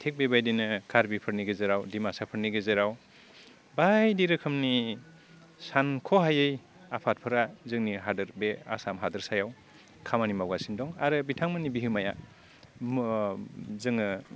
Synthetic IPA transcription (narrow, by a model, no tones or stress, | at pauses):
tʰek̚bebajdinɯkʰaɾbipʰɯɾniɡɯzɯɾawdimasapʰɯɾniɡɯzɯɾaw | bajdiɾɯkʰɯmni | sankʰɔɦajɯj | apʰat̚pʰɯɾazɯŋniɦadɯɾbea̰samɦadɯɾsajaw | kʰamanimawɡasindɔŋaɾɯbitʰaŋmanibiɦɯmaja̰ | zɯŋɯ